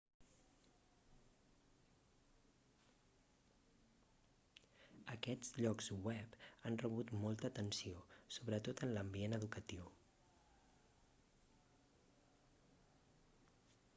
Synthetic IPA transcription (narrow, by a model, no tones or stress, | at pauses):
əkɛd͡zʎɔkzwɛpanrəβ̞ut̪molˠt̪əːt̪ənsiosoβɾət̪ot̪ənləmbienəðukət̪iw